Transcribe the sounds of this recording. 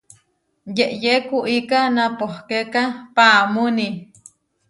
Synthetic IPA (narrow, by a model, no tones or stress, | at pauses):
jeʔjekuʔikanapohkekapaːmuni